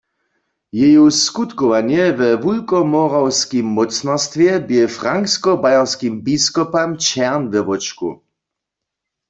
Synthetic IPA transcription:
jɛjuskut̪kɔʋanjɛvɛvulkɔmɔʁawskimːɔt͡snɔst̪vjɛbjɛfʁaŋkskɔbajaʁskimbiskɔpamt͡ʃɛʁnvɛvɔt͡ʃkṵ

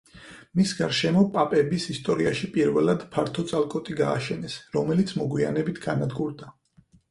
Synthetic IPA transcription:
misɡaɾʃɛmɔpʼapʼɛbisist̪ʼɔɾiaʃipʼiɾvɛlˠad̪pʰaɾt̪ʰɔt̪sʼalˠkʼɔt̪ʼiɡa̰ːʃɛnɛsɾɔmɛlit̪sʰmɔɡwia̰nɛbit̪ʰɡ̥anad̪ɡuɾd̪a

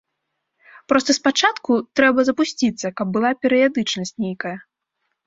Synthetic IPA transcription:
pɾɔst̪ɐspat͡ʂat̪kut̪ɾɛbɐzɐpusʲt͡sʲit̪sːɐkɐb̚bːɨlˠapʲɛɾɨjad̪ɨt͡ʂnɐsʲt͡sʲnʲejkɐjɐ

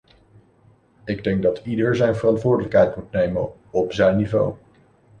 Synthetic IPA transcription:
ɪɡdɛŋk̚dɑtidəɹzɛjnvərɑntʋʊːɹdələkɦɛjtmutnejmə̰n | ɔpzɛjnːivo̰w

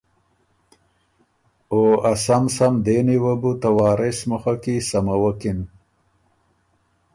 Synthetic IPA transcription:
oːasamsamd̪eːniwɐbut̪awaːɾesmuxakisɐmawɐkin

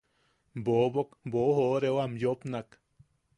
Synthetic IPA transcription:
bobokboɦoɾewamjopnak

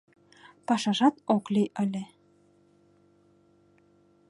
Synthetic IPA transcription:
pɑʃɑʒɑt̪okliʔə̆lʲe

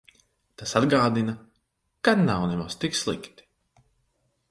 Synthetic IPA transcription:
t̪asad̪ɡaːd̪inɐ | kad̪nawnɛmast̪ikslˠḭkt̪i̥

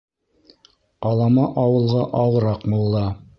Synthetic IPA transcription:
ɑlˠɑmɑʔɑwɤ̆lˠʁɑʔɑwɤ̆ɾɑqbulˠːɑ

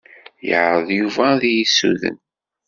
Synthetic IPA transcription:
jəʕɾˤəðˤjuvæðijisːṵðə̰n

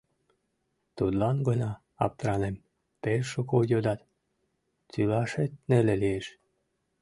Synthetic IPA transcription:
t̪ud̪lɑnɡɤnɑ | ɑ̰p̚t̪ɾɑnem | pelʃukojod̪ɑt̪ | t̪ylɑʃet̪̚nelelieʃ

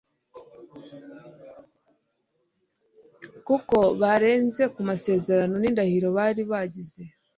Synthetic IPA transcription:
kuko̞βaɾe̞ːnze̞kumase̞ːze̞ɾano̞niːndahiɾo̞βaːɾiβaɟize̞

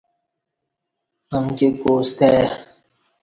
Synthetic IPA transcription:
hɐmkekoːst̪eː

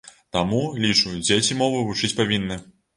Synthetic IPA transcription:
t̪amulʲit͡ʂud͡zʲet͡sʲimɔvɨvut͡ʂɨt͡sʲpavʲinːɨ

